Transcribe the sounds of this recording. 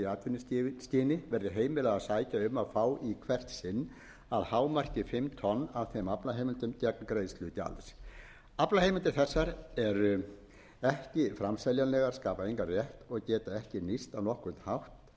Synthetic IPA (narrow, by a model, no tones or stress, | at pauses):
aːt̪vɪnʏsst̪iːnɪvɛɾðɪɦeːjmɪlaɣasaːjcaʏmːaðfaːwikʰvɛr̥t̪sɪnː | aðhaːwmar̥cɪfɪmt̪ʰɔnːaðθemaplaɦeːjmɪnt̪ʏmt̪aknkɾeːjðstlʏːt̪ɪa̰ls | aplahejmʏnt̪ɪɾ̥θɛsːaɾɛɾ | ɛhcɪfɾamsɛljanlɛːɣaɾ̥skaːpaejŋkarjɛht̪ɔɣcɛːt̪aɛhcɪnist̪anɔhkʏnt̪hawht̪